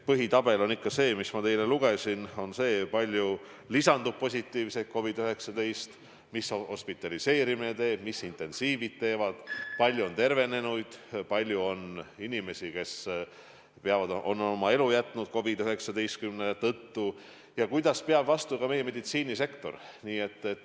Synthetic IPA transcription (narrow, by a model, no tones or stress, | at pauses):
pɤɦit̪ɑb̥e̞lo̞nikːɑse̞ːmismɑt̪e̞jle̞luɡ̥e̞sino̞nse̞ːpɑlʲju | lisɑnd̪upːo̞s̬ʲit̪ːˑiːvset̪̚ko̞vid̪yɦe̞ksɑd̪̥e̞jst̪ | misho̞spit̪ːˑɑlise̞ːɾiminet̪e̞ːb̥misint̪ːˑe̞nsiːvid̪̚t̪ːe̞ːvɑd̪̥pɑlʲjuo̞nt̪e̞rve̞ne̞nujd̪̥pɑlʲjuo̞ninime̞sike̞s | peɑvɑd̪o̞nːomɑe̞lujæt̪ːˑnud̪̥̚ko̞vid̪yɦe̞ksɑd̪e̞jst̪̚kymnelet̪ːɤt̪ːu | jɑkujd̪̥ɑspeɑb̥vɑst̪ukɑme̞jeme̞d̪it̪siːnise̞kt̪o̞̰rniːe̞t̪ːe